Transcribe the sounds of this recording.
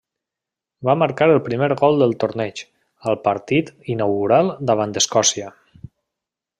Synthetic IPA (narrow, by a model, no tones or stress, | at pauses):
baməɾkaɾəlˠpɾimeɾɣɔlˠd̪əlˠt̪oɾnɛt͡ʃ | əlˠpəɾt̪it̪inəwɣuɾalˠd̪aβand̪əskɔsiə